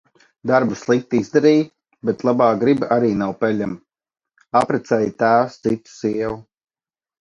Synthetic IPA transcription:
d̪aɾbuslˠik̚t̪iizd̪aɾiːj | bɛt̪lˠabaːɡɾibʔaɾiːnawpɛʎʲam | apɾɛt̪sɛjt̪æːst̪sit̪u̥siɛwu

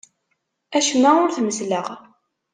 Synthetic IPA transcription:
æʃmːæʊɾθməzləʁ

